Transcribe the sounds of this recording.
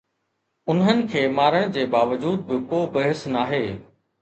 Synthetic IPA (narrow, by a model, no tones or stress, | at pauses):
ʊnɦənɪ̆kʰeːmaːɾəɽ̃d͡ʑeːbaːʋəd͡ʑuːd̪̚bɪkoːbɐɦɪsnaːɦeː